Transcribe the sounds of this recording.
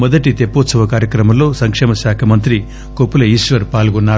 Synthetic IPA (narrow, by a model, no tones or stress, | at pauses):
mɔd̪ɐʈit̪epːoːt̪sɐʋɐkaːɾjɐkɾɐmɐmlo̞ːsɐŋkʂɛːmɐʃaːkʰɐmɐnt̪ɾi | kopːulɐiːʃʋɐɾpaːlɡɔnːaː